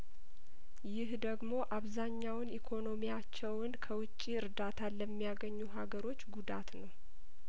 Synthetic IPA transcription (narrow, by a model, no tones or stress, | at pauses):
jɪhd̪əɡmo̞ʔaβzaɲːawnikʰo̞no̞mijat͡ʃːɛwɨnkʰəwʊt͡ʃʼːiɨɾd̪at̪ʰaləmːijaɡəɲːuɦaɡəɾo̞t͡ʃːɡud̪at̪nəw